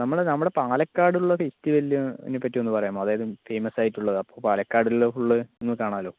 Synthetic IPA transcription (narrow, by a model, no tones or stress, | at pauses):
nɐmːɐɭnɐmːuɽepaːlɐkːaːɽuɭːɐkːistiʋɐlːuḛnːɨpːɐt̬ːiue̞nːɨpɐrɐjumːoːɐðaːjɐðɨfejmɐsaːjitːuɭːɐðɨɐpːo̞ːpaːlɐkːaːɽilfuɭːɐenːɨkaːɳaːlo̞ː